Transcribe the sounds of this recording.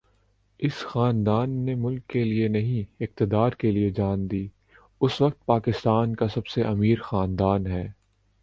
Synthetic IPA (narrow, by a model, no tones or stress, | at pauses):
ɪsxaːnd̪aːnːemʊlkːelienɐɦĩɪqt̪ɪd̪aːɾkelied͡ʒaːnd̪iː | ʊsʋɐq̚t̪̚paːkɪst̪aːnkasɐbseʔɐmiːɾxaːnd̪aːnɦɛː